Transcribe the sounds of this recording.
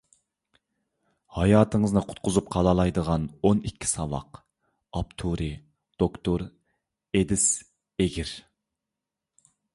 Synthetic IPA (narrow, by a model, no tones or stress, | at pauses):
hɑjɑːt̪ʰəŋəznɨqʰʊ̥t̪̚qʰʊzup̚qʰɑlˠɑlˠɑjd̪əʁɑnonikʲːi̥sɑvɑ̰q | ɑpt̪ʰuɾɪ | d̪̥okt̪ʰoɾ | ed̪ɪs | eɡʲiɾ